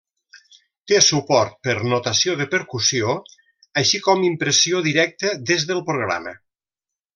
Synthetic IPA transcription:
t̪esupɔɾt̪̚pəɾnot̪əsioðəpəɾkusio | əʃikɔmimpɾəsioðiɾɛk̚t̪əd̪ezðəlˠpɾuɣ̞ɾa̰mə̰

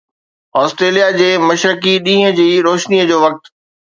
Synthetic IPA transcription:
ɔːsʈɾeːlijad͡ʑeːmɐʃɾɪkiɗĩːɦə̃d͡ʑiːɾoːʃniəd͡ʑoːʋɐk̚t̪

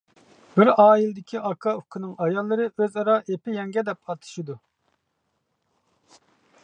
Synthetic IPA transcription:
bɪɾɑːilɪd̪ɪkʲʰiʔɑkʰɑukʰɪnɪŋʔɑjɑlˠːɨɾɨʔøzɑɾɑʔepɪjɛŋɡʲɛd̪ɛp̚ɑt̪ʰɨ̥ʃid̪u

